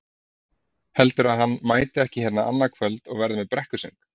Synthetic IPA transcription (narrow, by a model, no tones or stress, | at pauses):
hɛlt̪ʏɾaðɦanːmaːjt̪ɪɛhcɪçɛt̪naʔa̰nːakʰvœlt̪ɔɣvɛɾðɪmɛðpɾɛhkʏsœ̰ŋk